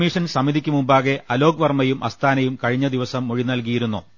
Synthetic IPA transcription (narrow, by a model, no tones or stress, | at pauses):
miːʂɐnsɐmːid̪ikʲːumumbaːɣe̞ʔɐlo̞ːɡʋɐrmɐjumʔɐst̪ʰaːnɐjumkɐɻiɲːɐd̪iʋɐsɐmːuɻinɐlk̬ijiɾunːṵ